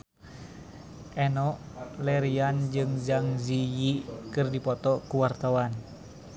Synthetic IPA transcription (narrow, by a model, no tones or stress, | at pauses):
ʔɛnɔʔlɛɾiand͡ʒɨŋd͡ʒaŋzijikɨrdipɔt̪ɔkuwart̪awan